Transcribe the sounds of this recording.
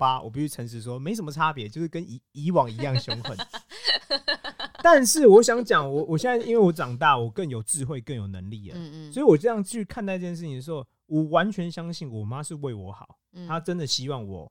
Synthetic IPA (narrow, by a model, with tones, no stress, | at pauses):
pa˦wʔɔ̰˨˩pi˥˩t͡ɕy˥ʈ͡ʂʰə˧˦ŋʂ̬ɻ̩˨˩ʂ̬wɔ˦me˧˥ɪə˧˦mə˨˩a˦pjɛ˧˦t͡ɕjo˥˧ʊʂɻ̩˥˩kə˦ni˧˥i˧˥wɑ˨˩ŋi˧˥jɑ˥˩ŋɕjo˥ŋxwə̰˥˩n | t̪a˥˨nʂɻ̩˥˨wɔ˨˦˥ɕjɑ˧˥ŋt͡ɕjɑ˨˩ŋwɔ˨˩˦wɔ˨˩ɕjɛ˥˨na˥˩i˦nwe˥˩ɪwɔ˦˥ʈ͡ʂɑ˨˩ŋt̪a˥˩wɔ˨˩kə˥˩njo˨˩ʊʈ͡ʂɻ̩˥˧xwe˥˧ɪkə˥˩njo˨˩ʊnə˧˦ŋli˥˨˩lə̰˨˦swɔ˧˥i˨wɔ˨˩ʈ͡ʂɤ˥˧jɑ˥˧ŋ˥˩t͡ɕʰy˥˧kʰa˥˧nt̪ɑ˥˧ʈ͡ʂə˥˩t͡ɕjɛ˥˧˩ʂɻ̩ʰ˥˩˨i˩d̪ə˩ʂ̩˧xo˥˨˩ʊ | wɔ˨˩wa˧˦nt͡ɕʰɥɛ˧˦nɕjɑ˥ŋɕi˥˩nwɔ˨˩ma˦ʂɻ̩˥˨˧we˥˩ɪwɔ̰˧˥xɑ̰˨˩˦ʊt̪ʰa˦˥ʈ͡ʂə˦nd̪ə˨ɕi˦wɑ˥˩ŋwɔ̰˨˩˦